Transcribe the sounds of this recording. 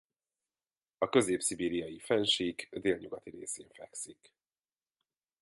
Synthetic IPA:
ɒkø̞zeːpsibiːɾijɒjifɛnʃiɡd̪eːlɲuɡɒt̪iɾeːseːɱfɛksik

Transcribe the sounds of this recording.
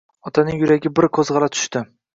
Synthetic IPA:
ɒt̪ʰanɪŋjʊɾaɡʲɪbɪɾkʰozʁɑlat̪ʰʊ̥ʃt̪ɪ

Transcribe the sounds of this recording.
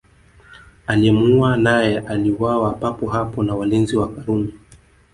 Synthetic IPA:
alimuanajɛʔaliwawapapɔɦapɔnawalinziwakaɾumi

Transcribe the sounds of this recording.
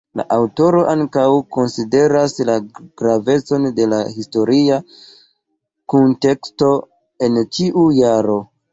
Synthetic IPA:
la̰ʔawto̞ɾo̞ʔaŋkawko̞nside̞ɾaslaɡ̥ɾave̞t͡so̞nde̞laɦisto̞ɾia | kunte̞ksto̞ | e̞nt͡ʃiʔujaɾo̞

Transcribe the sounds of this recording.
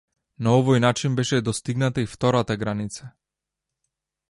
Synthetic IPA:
naɔvɔjnat͡ʃinbɛʃɛd̪ɔst̪iɡnat̪aift̪ɔɾat̪aɡɾanit̪sa

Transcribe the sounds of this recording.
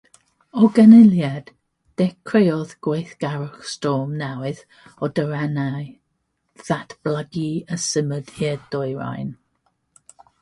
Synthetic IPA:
ɔɡənɪljɛd̥ː | ɛkʰrejɔðɡ̥wejθɡ̥aɾʊχstɔːmnɛwɨð | ɔdəɾɛnaj | ð̥atʰb̥laɡiəsəməd̥iədɔɨɹa̰jn

